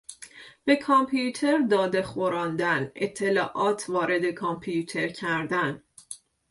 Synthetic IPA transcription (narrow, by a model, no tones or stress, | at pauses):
b̥e̞kʰɒmpʰjut̪ʰe̞ɾd̪ɒːd̪e̞xoɾɒːnd̪ænet̪ʰːe̞lɒːʔɒːt̪ʰvɒːɾe̞d̪e̞kʰɒmpʰijut̪ʰe̞ɾcʰæɾd̪æn